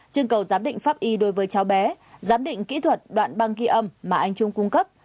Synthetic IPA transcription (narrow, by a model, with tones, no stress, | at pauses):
t͡ɕɨ˧əŋkə˨˩wzaː˨˦mɗḭ̈˧˨ŋ̟faː˦˥p̚ʔi˧ɗo˨˦jvəː˨˦jt͡ɕa˨˦wɓɛ˨˦ | zaː˨˦mɗḭ̈˧˨ŋ̟kḭ˧˥t̪ʰwə˨˩t̚ɗwa̰ː˧˨nɓa˧ŋki˧ʔə˧mːaː˨˩ʔa˧jŋ̟t͡ɕʊ˧ŋ͡mkʊ˧ŋ͡mkə˦˥p̚